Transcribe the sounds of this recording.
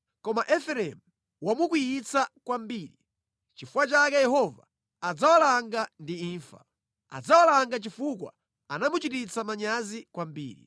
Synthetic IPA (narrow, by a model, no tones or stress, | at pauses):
kɔmaʔɛfɛɾɛmu | wamuk̬wijit͡sakwambiːɾi | t͡ʃifuwat͡ʃakɛjɛɦɔva̰ː | d͡zawalaŋɡandiiːɱfḁ̰ | a̰d͡zawalaŋɡat͡ʃifukwa̰ | anamut͡ʃitit͡samaɲazikwambḭːɾḭ